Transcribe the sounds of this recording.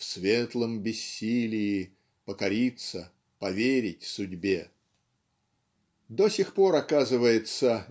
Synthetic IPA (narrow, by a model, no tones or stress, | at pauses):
fsvʲet̪lˠəmbʲɪsʲːilʲɪː | pəkɐɾʲit̪sə | pɐvʲeɾʲɪtʲsʊdʲbʲe | d̪o̞sʲɪxpo̞ɾɐkazɨvəjɪt̪sə